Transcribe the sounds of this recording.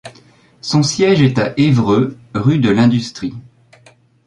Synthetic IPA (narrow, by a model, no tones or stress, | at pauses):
sɔ̃sjɛʒɛt̪aʔevʁø | ʁyd̪əlɛ̃d̪yst̪χi